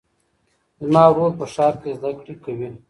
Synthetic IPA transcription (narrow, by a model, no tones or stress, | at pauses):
zmɑːwɾolpəʂɑːɾkezd̪akɽikawi